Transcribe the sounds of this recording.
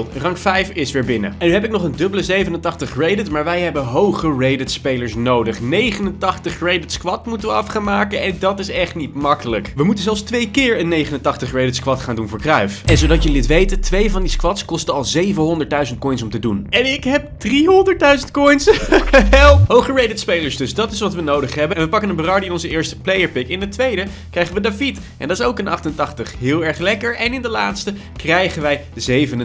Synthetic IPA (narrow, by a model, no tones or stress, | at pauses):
rɑŋkfɛjfɪsʋɪːɹbɪnə̰ɛnyɦɛp̬ɪk̚nɔχəndɵbələzejvənəntɑχtəχrejdɪtmaːɹʋɛjɦɛbəɦowχərejdɪtspejləɹsnowdəχnejχənəntɑχtəχrejdɪtskʋɑtmutənʋəɑfχaːnmaːkəʔɛndɑtɪsɛχtnitmɑkələkʋəmutən̩zɛlˠfstʋejkɪːɹənːejχənəntɑχtəχrejdɪtskʋɑtχaːndunvʊːɹkrœɥfɛnzowdɑcjəlɪtʋejtətʋejvɑndiskʋɑtskɔstəɑlˠzejvənɦɔndəɹt̚dœɥzənt̚kɔjns̬ɔmtədunɛnɪkɦɛp̚d̥riɦɔndəɹt̚dœɥzəntkɔjnsɛlˠɦowχəɹejdətspejləɹsdɵsdɑtɪsʋɑtʋənowdəχɦɛbəɛnʋəpɑkənənbərɑɹdiɪnɔnzəɪːɹstə̥plejəɹpɪkɪndətʋejdə | krɛjχənʋədafit | ʔɛ̰ndɑtɪsowkənʔɑ̰χtəntɑχtəχɦɪːlˠɛɹχlɛkəɹʔɛnɪndəlaːtstə | krɛjχənʋɛjdəzejvənə